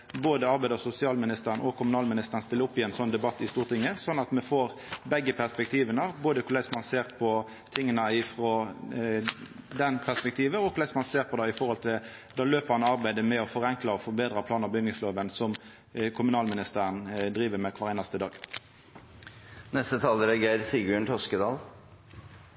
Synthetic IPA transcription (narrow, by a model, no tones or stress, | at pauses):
boːd̪əɑɾbæɪd̪əsʊsɪɑːlmɪnɪst̪əʁənʔɔkʰʊmʉnɑːlmɪnɪst̪əʁnst̪ɪlːəʊpːɪɛnsɔnd̪ɛbɑt̪ːɪst̪uːʁt̪ɪŋːəsɔnːɑt̪mɛfoːʁbɛɡːəpʰæʁspɛk̚t̪ʰiːʋənɑboːd̪əkʰʊɾlæɪsmɑnseːʁpʰɔ | t̪ʰɪŋːənəɪfʁɔ | d̪ɛnpʰæspɛkt̪ʰiːʋəɔkʰʊɾlæɪsmɑnseːʁpʰɔd̪ɑːɪfɔhɔlt̪ʰɪl | d̪ɑːløːpəhɑnɑʁbæɪd̪əmɛɔfɔʁɛŋklɑɔfɔʁbeːd̪ɾɑpʰlɑːnɑbʏnɪŋsloːʋənsɔm | kʰʊmʉnɑːlmɪnɪst̪æːʁənd̪ɾiːʋəmɛkʰʋɑːʁɛɪnɑst̪əd̪ɑːɡ | nɛst̪ət̪ʰɑːləɾɛɡeːɾsiɡʉɳt̪ʰɔskəd̪ɑːl